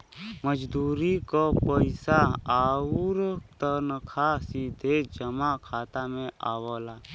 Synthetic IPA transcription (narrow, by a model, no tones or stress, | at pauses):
məd͡ʒd̪uːɾikopəɪsaaːuɾt̪ənəkʰaːsid̪ʱed͡ʒəmakʰaːt̪amẽaːwalaː